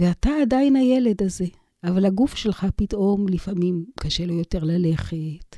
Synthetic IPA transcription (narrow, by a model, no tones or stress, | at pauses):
veataːdajinhajele̞d̪aze̞ | ʔavalaɡufʃe̞lχapitʔo̞mlifamimkaʃelo̞jo̞te̞ʁlale̞χet